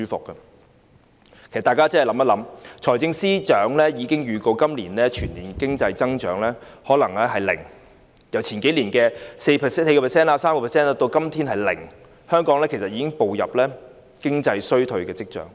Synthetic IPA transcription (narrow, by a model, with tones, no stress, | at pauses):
syː˥fʊ̰˨kːɐ˧ | kʰe˨˩sɐ˨t̪aː˨kaː˥t͡sɐ˥hɐ˨jlɐ˨˥mɐ˥lɐ˨˧˥mt͡ʃʰɔː˨˩jt͡sɪ˧ŋsiː˥t͡ʃœː˨˥ŋlɛː˥jiː˨˧kɪ˥ŋjyː˨˧ko˧wkɐ˥mliː˨˩nɛː˥t͡ʃʰyː˨˩nliː˨˩n˧kɪ˥ŋt͡sɐ˧jt͡sɐ˥ŋt͡ʃœː˨˥ŋlɛː˥ | hɔː˨˥lɐ˨˩ŋɛː˥ɦɐ˨jlɪ̰˨˩ŋ | jɐ˨˩wt͡sʰiː˨˩nke˨˥jliː˨˩nkɛː˧se˧jʰse˧jkɔ˧pʰɛ˨˩sɛː˥naː˧saː˥mkɔ˧pʰɛ˨˩sɛː˥na˧t̪o˧wkɐ˥mt̪ʰiː˥nɦɐ˨˩jlɪ̰˨˩ŋ | hœː˥ŋkɔː˨˥ŋlɛː˥kʰe˨˩sɐ˨t̚jiː˧˥kɪ˥ŋpo˨wjɐ̰˨p̚lɛː˥ | kɪ˥ŋt͡sɐ˧jsɵ˥ɥt̪ʰɵ˧ɥkɛː˧t͡sɪ˥k̚t͡ʃœ̰ː˨˥ŋ